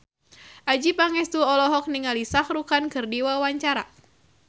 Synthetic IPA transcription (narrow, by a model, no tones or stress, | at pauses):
ʔad͡ʒipaŋɛst̪uɔlɔɦɔk̚niŋalisahɾukankɨrdiwawaɲt͡ʃaɾa